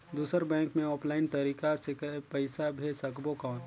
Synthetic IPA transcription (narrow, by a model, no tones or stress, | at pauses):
d̪uːsəɾbɛ̃ːŋkmẽɔːpʰlaːɪnt̪ɐɾiːkasɪkəpəɪsabʱesəkbokɔːn